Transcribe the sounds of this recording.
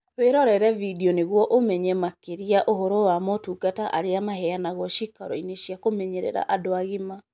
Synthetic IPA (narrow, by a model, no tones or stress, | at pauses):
pweɾɔɾɛɾɛvidiɔneɣwɔʔomɛɲɛmakeɾiaʔohoɾowamɔtuɡataʔaɾeamaɦɛanaɣɔʃika̰ɾɔ̰ineɕjakomɛɲeɾɛ̰ɾa̰ʔadoaɣema